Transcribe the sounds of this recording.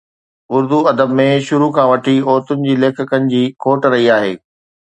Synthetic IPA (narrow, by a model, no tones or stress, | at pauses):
ʊɾd̪uɐd̪əbmẽʃʊɾukʰãʋɐʈʰiɔːɾt̪ʊnɪ̆d͡ʑiːleːkʰəkənɪ̆d͡ʑiːkʰoːʈɾɐɦiaːɦeː